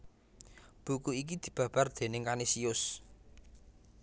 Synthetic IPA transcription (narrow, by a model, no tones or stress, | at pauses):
b̥ukuik̬id̪̥i̤b̥ä̤b̥a̤rd̪̥e̤nɪŋkanisiʊs